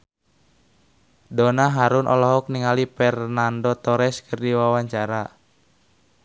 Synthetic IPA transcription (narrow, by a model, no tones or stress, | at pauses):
dɔnaɦaɾunʔɔ̰lɔɦɔk̚niŋalipɛrnandɔt̪ɔɾɛskʰərdiwawaɲt͡ʃaɾa